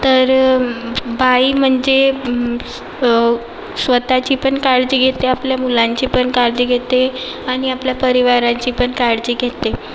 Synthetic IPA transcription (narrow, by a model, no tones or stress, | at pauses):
t̪əɾ | bʱaiːm̤əɳd͡ʑe | sʋət̪at͡ɕiːpəɳkaɽd͡ʑiɡʱet̪eapljamulãɲt͡ɕiːpəɳkaɽd͡ʑiːɡʱet̪e | aɽ̃iapljapəɾiʋaɾãɲt͡ɕiːpəɳkaɽd͡ʑiːɡʱet̪e